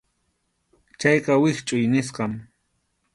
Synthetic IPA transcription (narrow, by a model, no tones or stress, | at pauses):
t͡ʃajqɑwɪχt͡ʃʼʊjnɪsqɑm